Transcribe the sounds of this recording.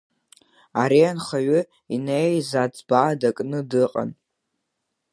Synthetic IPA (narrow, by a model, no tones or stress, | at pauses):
aɾianχaɥʏ | inejzad͡zʼbaːdakʼnɨdɨqʼa̰n